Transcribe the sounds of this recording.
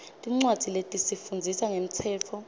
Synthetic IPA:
tʼiŋ͡ǀwadd͡z̥ʱiletʼisifund͡zʱisaŋem̩tʰɛːt͡fʰɔ

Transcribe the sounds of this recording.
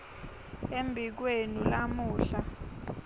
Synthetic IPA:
embʱik̬wenulamuːɬa

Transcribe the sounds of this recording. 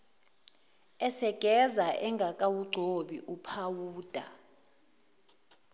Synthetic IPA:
ɛsɛɡ̥ʱɛzaʔɛŋɡʱakʼawuɡ͡ǀʱoɓiʔupʰawuːd̥ʱa

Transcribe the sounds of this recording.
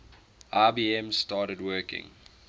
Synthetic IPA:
ʔaːbiːɛ̃mstɑːɾədwɜːkɪ̰̃ŋ

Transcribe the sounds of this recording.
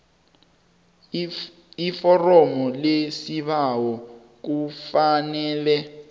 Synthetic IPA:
ifɔrɔmɔlesiɓawɔ | k̬ufanɛːlɛ

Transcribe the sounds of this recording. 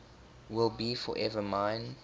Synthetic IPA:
wɪlˠbifɔ̰ʔɛvəmãɪ̃n

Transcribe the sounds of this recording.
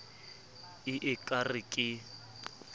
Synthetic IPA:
ɪʔɪkʼarɪkʼɪ

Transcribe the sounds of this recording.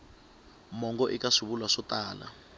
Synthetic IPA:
mɔŋɡɔʔikaʂuβulwaʂɔtaːla̰

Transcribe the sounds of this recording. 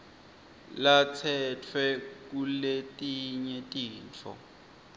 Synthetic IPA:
lat͡sʰɛtʰwɛkuletʼiɲɛtʼiːnt͡fʰɔ̰

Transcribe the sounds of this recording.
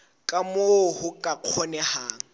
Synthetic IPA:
kʼamohʊkʼaq͡χʰɔnɛhaːŋ̩

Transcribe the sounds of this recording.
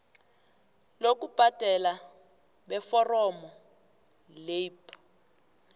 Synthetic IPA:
lok̬ub̥ʱad̥ʱɛla | ɓɛfɔrɔmɔ | lep

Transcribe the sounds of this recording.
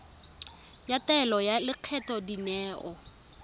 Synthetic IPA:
jatɛlɔjalɪq͡χʰɛtʼɔdinɛːʔɔ

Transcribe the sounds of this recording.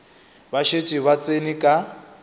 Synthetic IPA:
βaʃet͡ʃʼiβat͡sʼenikʼa

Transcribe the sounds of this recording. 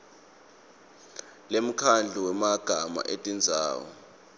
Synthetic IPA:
lem̩kʰand͡ɮʱuwɛmaɡ̥ʱama̰ʔetʼind͡zʱa̰ːwɔ̰

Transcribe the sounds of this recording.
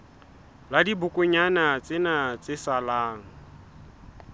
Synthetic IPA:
ladibʊkʼʊɲanat͡sʼɪnat͡sʼɪsalaːŋ̩

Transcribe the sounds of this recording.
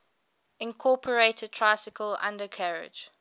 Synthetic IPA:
ɪ̃nkʰɔːˑpʰəɹeɪtʰəd̚tʰɹ̥aɪsɪkʰəlã̰ndəkʰaɹɪ̰̥d͡ʒ

